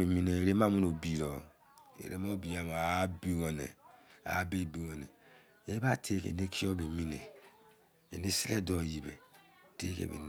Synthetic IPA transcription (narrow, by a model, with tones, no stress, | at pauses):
e˨mi˦ne˨e˨ɾe˦ma˦mu˦no˨bi˨ɾɔ˨ | ḛ˨ɾḛ˦mo˦bi˨a˨m˨˦bi˦wo˨nḛ˨a̰˨˦be˦˨bi˨wo˨ne˨ | e˦ba˦tʰe˦kḛ˨ne˦kʰi˦o˦be˨mi˦nḛ˨ | e˨ne˦si˦le˦do˨ji˨bḛ˨ | te˦kḛ˨βḛ˨